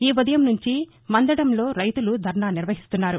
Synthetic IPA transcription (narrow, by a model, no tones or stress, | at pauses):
iːʋɐd̪ɐjɐmnuɲt͡ʃi | mɐnd̪ɐɽɐmlo̞ːɾɐjt̪ulud̪ʱɐɾɳaːniɾʋɐɦist̪unːaːɾu